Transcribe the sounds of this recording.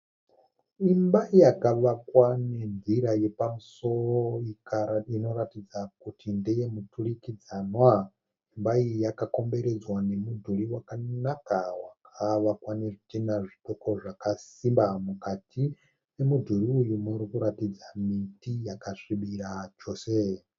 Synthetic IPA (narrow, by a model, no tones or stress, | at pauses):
imbaijakaʋakwane̞nd͡ziɾaje̞pamuso̞roikaino̞ratid͡zakutindeje̞muturikid͡zanwa | imbaijakako̞mbe̞ɾe̞d͡zwane̞mudʱuɾiwakanakawakʰaʋakwanetinaʐitoko̞ʐakasimbamukatʰi | pe̞mudʱuɾiujumuɾikuɾatid͡zamitijakaʂiɓiɾat͡ʃo̞se